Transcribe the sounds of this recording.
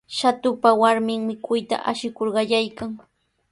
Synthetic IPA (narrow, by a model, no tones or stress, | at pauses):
ʃat̪ʊpawaɾmɪŋmɪkʊjt̪a̰ʔaʃɪkoɾɢɑʎajkaŋ